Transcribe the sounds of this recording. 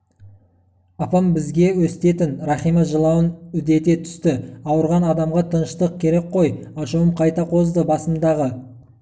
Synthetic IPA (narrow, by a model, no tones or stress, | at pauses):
ɑpɑmbɪzɡʲe̞wɵsɪt̪e̞t̪ɪnɾɑχijmɑʒəlˠɑwənʏd̪e̞t̪e̞t̪ʰʏ̥st̪ɪɑwəɾʁɑnɑd̪ɑmʁɑt̪ʰənəʃt̪əq̚kʲʰe̞ɾe̞k̚qʰo̞jɑʃuəmqʰɑjt̪ɑqʰo̞zd̪əbɑsəmd̪ɑʁə